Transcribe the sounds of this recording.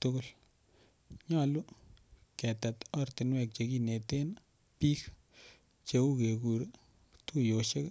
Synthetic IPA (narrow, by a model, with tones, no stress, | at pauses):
tu˦ko˦l | ɲa˦lu˦ | kɛ˨ta˨tɔ˦rti˨nwɛ˦˨k̚t͡ʃe˨ki˦ne˨te˦n | pi˦k | t͡ʃe˧u˦ke˨ku˨ɾ | tu˦jo˨ʃe˦k